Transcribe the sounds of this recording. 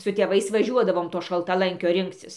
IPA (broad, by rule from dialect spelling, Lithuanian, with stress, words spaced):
sʊ tʲeːˈʋɐɪs ʋɐˈʒʲuɔdɐʋoːm toː ʃɐlˠtɐˈlˠɐŋʲkʲoː ˈrʲɪŋkt͡sʲɪs